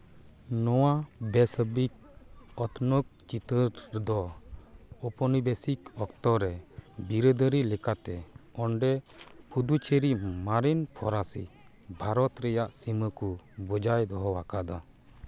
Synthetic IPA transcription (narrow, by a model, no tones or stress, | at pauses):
nɔwabɛsəbik̚ | ɔt̪ʰnɔk̚t͡ʃit̪əɾd̪ɔ | ɔpɔnibɛsikɔkt̪ɔɾɛbiɾəd̪əɾilɛkat̪ɛɔɳɖɛkʰud̪ut͡ʃʰeɾimaɾinpʰɔɾasḭ | bʱaɾɔt̪ɾɛjaʔsiməkubɔd͡ʒajd̪ɔɦɔwakad̪a